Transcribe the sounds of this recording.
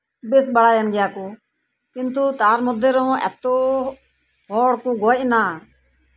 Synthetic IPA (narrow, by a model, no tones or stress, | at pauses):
bɪsɓəɽaːjənɡɪjaːkuː | kɪnt̪ut̪aːɾmʊd̪ʱːeːɾõːɛ̰ːt̪oː | pʰoːɽkũːɡoːʔnaː